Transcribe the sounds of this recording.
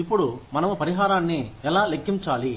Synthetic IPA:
ipːuɽumɐnɐmupɐɾiɦaːɾaːnːiɛlaːlekʰːiɲt͡ʃaːli

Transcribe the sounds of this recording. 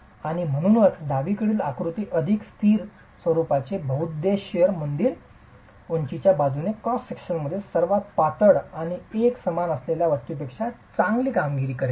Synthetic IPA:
aɽ̃im̤əɽ̃uːnət̪ʰd̪aʋikəɽiːlakɾut̪iːʔəd̪ʱikst̪ʰiːɾ | sʋəɾupat͡sebʱəut̪̚d̪eɕjəɾmənd̪iːɾ | uɲt͡ɕit͡ɕjabad͡zunekɔssekɕənməd̪ʱːjesəɾʋat̪̚pat̪əɽaɽ̃ieksəmanəsleljaʋət̪jupekʂat͡sãŋɡliːkamɡiɾiːkəɾe

